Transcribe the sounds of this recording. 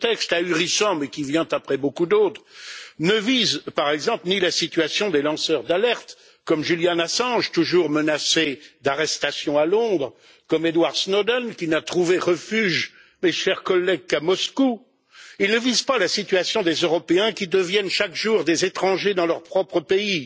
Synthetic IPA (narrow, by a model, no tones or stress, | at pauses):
t̪ɛkst̪ayʁisɑ̃mɛkʲivjɛ̃t̪apχɛbokud̪ot̪χnəvizpaʁɛɡzɑ̃plnilasit̪yasjɔ̃d̪elɑ̃sœʁd̪alɛʁt̪ | kɔmʒyljanasɑ̃ʒt̪uʒuʁmənased̪aʁɛst̪asjɔ̃alɔ̃d̪ʁ | kɔmed̪waʁsnod̪ɛnkʲinat̪χuveʁəfyʒ | meʃɛʁkɔlːɛɡ̚kamɔsku | ilnəvizpalasit̪ɥasjɔ̃d̪ezøʁɔpeɛ̃kʲid̪əvjɛnʃakʒuʁd̪ezet̪χɑ̃ʒed̪ɑ̃lœʁpχɔpχəpei